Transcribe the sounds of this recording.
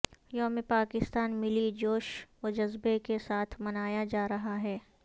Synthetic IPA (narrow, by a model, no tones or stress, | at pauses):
jɐɦmẽpaːkɪst̪aːnmɪlid͡ʒoːʃod͡ʒɐzbekesaːt̪ʰmɐnaːjad͡ʒaːɾɐɦaɦɛː